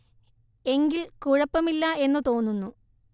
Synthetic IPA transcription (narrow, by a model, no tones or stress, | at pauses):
e̞ŋɡilkuɻɐpːɐmilːɐe̞nːɨt̪o̞ːnːunːu